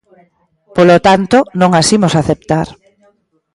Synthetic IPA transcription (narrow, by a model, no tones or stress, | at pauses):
polot̪ant̪onõŋasimosaθep̚t̪aɾ